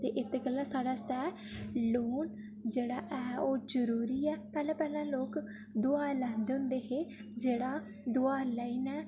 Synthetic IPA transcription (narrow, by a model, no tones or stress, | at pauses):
t̪eːʔɪt̪eːkəlːãːsaːɽaːsʈ̪ɛː | luːn | d͡ʒeːɽaːʔɛːoːd͡ʒəɾuːɾiːɛːpɛːlɛ̃ːpɛːlãːloːk | d̪ʊaːlɛ̃ːnd̪eːʊ̃nd̪eːɦeː | d͡ʒeːɽaː | d̪ʊaːlɛːiːnɛː